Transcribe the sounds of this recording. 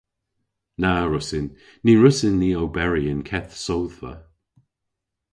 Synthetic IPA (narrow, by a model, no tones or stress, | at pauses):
naɹʊsɪnːiɹʊsɪnːiːowbɛɹiənkʰɛθsowðvə̰